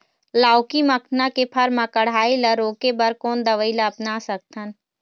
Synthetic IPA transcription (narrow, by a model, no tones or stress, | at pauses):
laːʊkiməkʰnakepʰɐɾmãkəɽ̤aːiləɾoːkebɐɾkoːnd̪əʋəilaːpnasək̚t̪ʰən